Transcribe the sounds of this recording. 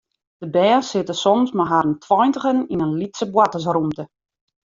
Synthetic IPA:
d̥əbɛːsɪtəsɔmsmaɦaɾəntʰwɔjntəɣəninənlitsəbwatəs̬rumtə

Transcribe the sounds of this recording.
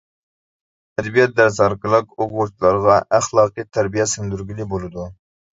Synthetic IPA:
ɛd̪bijɛt̪̚d̪æɾsɑɾkəlˠəqoɡuɾt͡ʃ̪ʰlˠɑɾʁɑʔæχlˠɑːqijt̪ʰæɾbijɛsɪnd̪yɾɡʲilibolˠɨd̪u

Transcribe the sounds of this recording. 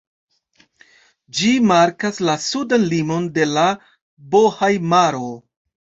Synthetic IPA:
d͡ʒimaɾkaslasudanlimo̞nde̞la | bo̞hajmaɾo̞

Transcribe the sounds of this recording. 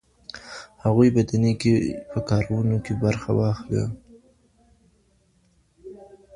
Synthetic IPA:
haɣujbad̪anekepəkɑɾawunokebaɾxa̰wɑxla̰

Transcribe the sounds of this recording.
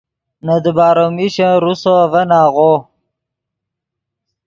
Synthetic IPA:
nad̪əbaːɾomiɕaɾusovənaːɣo

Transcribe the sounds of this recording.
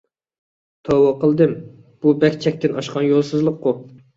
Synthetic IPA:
t̪ʰowɑqəlˠd̪ɨm | b̥ubɛkʲt͡ʃʰɛk̚ʲt̪ɪnʔɑʃqʰɑnjolˠsɨzlˠəqːu

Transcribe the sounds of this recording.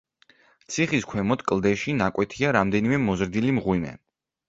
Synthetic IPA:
t̪sʰiχiskʰwɛmɔt̪kʼlˠd̪ɛʃinakʼwɛt̪ʰiaɾamd̪ɛnimɛmɔzɾd̪ilimʁwimɛ̰

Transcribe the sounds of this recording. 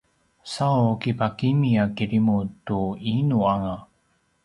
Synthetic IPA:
sawkipakimiakiɾimutuinuaŋa

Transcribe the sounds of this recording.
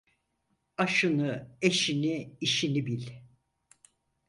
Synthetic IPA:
aʃɯnɯeʃiniiʃinibilʲ

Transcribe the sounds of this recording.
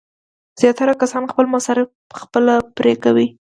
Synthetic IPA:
z̥jɑt̪aɾakasɑnxpəlmasɑɾɪf | əxpəlapɾekawi

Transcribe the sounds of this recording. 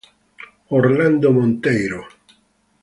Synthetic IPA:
oɾland̪omont̪ɛjɾo

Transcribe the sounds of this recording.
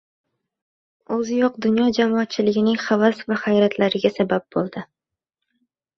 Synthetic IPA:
ɵzɪjoqd̪ʊnjɒd͡ʒamɒat̪̚t͡ʃʰɪlɪɡʲɪnɪŋχavasvaχajɾat̪ʰlaɾɪɡʲasabap̚bolˠd̪ɪ

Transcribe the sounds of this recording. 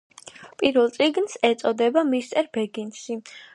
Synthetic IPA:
pʼiɾvɛlˠt̪sʼiɡnsɛt̪sʼɔd̪ɛbamist̪sʼɛɾbɛɡinʃi

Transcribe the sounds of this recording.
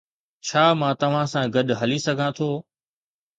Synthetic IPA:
t͡ɕʰaːmãːt̪ɐʋ̤ãsãɡɐɗɦɐlisɐɡʱãt̪ʰoː

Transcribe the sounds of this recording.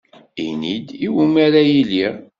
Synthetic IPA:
inid̪iwumæɾajiliʁ

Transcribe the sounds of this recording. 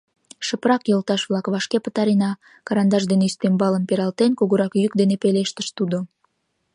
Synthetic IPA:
ʃəprɑkjolt̪ɑʃβlɑkβɑʃkepət̪ɑɾinɑ | kɑɾɑnd̪ɑʒd̪eneyst̪embɑləmpeɾɑlt̪enkuɣuɾɑkjykd̪enepeleʃt̪ə̥ʃt̪ud̪o

